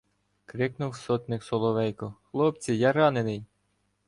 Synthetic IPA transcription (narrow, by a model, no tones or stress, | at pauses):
kɾɪknʊwsɔt̪nɪksɔlˠɔʋɛjkɔxlˠɔp̚t͡sʲijɑɾɑnenɪj